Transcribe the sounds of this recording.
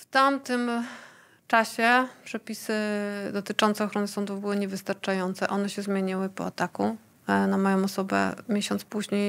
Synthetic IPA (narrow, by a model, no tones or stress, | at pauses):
ft̪amt̪ɘm | t͡ʂaɕɛpʂɛpʲisɘd̪ɔt̪ɘt͡ʂɔnt̪sɛɔxɾɔnɘsɔnd̪uvbɘwɘɲɛvɘst̪aɾt͡ʂajɔnt̪sɛʔɔnɛɕɛzmʲjeɲawɘpɔ̰a̰t̪aku | namɔjɔ̃w̃ɔsɔbɛ̰mʲjeɕɔnt̪spuʑɲej